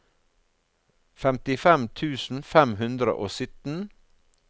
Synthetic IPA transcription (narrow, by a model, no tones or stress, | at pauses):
fɛmt̪ɪfɛmt̪ʰʉːsn̩fɛmɦʉnd̪ɾə̰ʔoːsʏt̪n̩